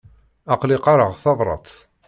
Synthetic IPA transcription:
ɑqlɪqɑɾəʁθɑðˤɾˤɑ̰t̪ˤ

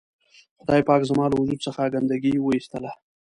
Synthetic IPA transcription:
xʊd̪ɑjpɑkzəmɑlawʊd͡ʒud̪̚səxaɡand̪aɡiwəist̪əla

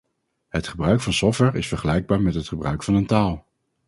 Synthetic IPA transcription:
ɦətχəbrœɥkfɑnsɔftwɛɹɪsfəɹχəlɛjɡ̚baːɹmɛtɦətχəbrœ̰ɥkfɑnəntaːlˠ

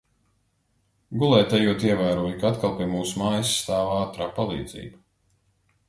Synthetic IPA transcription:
ɡulˠɛːt̪ajuɔt̪iɛvaːɾuɔjukaat̪kalˠpʲiɛmuːsumaːjisːt̪aːvaːt̪ɾaːpalˠḭːd̪z̥ḭːba

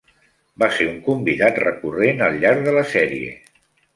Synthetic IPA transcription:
baseuŋkumbiðat̪rəkurenəlʎːaɾðələsɛɾiḛ

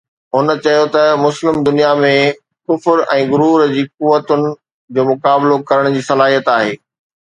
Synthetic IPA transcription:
ɦʊnət͡ɕɐjot̪ɐmʊslɪmd̪ʊnijamẽ | kʊfɾɛ̃ːɡʊɾuːɾd͡ʑiːk̚uʋət̪ʊnɪ̆ | d͡ʑoːmʊkaːblokɐɾəɽ̃d͡ʑiːsɐlaːɦijət̪aːɦeː

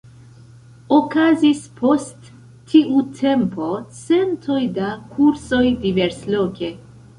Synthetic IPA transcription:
okazispʰo̞stʰː | iʔutʰe̞mpo̞t͡se̞ntʰo̞jdakʰuɾso̞jdive̞ɾslo̞ke̞

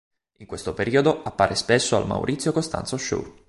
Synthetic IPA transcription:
iŋkwest̪opeɾiːod̪oapːaːɾʔespesːoa̰lma̰wɾʔit̪sʲːjokost̪a̰nt̪soʃṵ

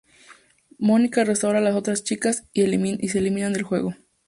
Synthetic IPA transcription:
mo̞nikarest̪awɾalaso̞t̪ɾast͡ʃikasiis̬elimĩnand̪e̞lxwe̞̰ɣo̞

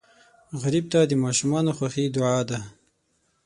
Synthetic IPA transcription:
ɣaɾib̚t̪ad̪əmɑʃumɑnoxwaxid̪ʊʕɑd̪a

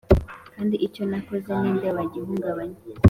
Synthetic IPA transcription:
kaːndiʔiconakozanindeβaɟiɦuŋɡaβaɲiz

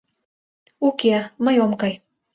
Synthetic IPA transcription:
ukeməjomkɑj

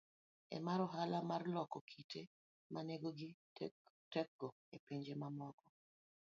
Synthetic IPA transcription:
ɛ̰maɾɔɦalamarlɔkɔkʰitʰe | maneɡoɡɪ | tɛk̚ːɔ | epeɲd͡ʒemamɔkɔ

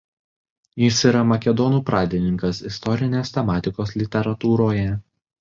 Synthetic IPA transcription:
jɪsiːɾɐmɐkʲɛd̪ɔnuːpɾɑːd̪ʲɪnʲɪŋkɐsɪst̪ɔɾʲɪnʲeːst̪ʲɛmɑːt̪ʲɪkoːslʲɪt̪ʲɛɾɐt̪uːɾoːjɛ

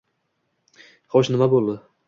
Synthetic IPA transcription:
χɒʃnɪmabolˠd̪ɪ

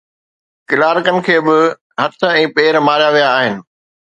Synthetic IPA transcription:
kɪlaːɾkənɪ̆kʰeːbɪ | ɦɐt̪ʰə̆ɛ̃ːpeːɾmaːɾijaʋijaːɦɪnɪ̆

